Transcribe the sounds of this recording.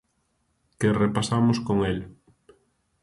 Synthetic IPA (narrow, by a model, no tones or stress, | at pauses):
kerepasamʊskoŋel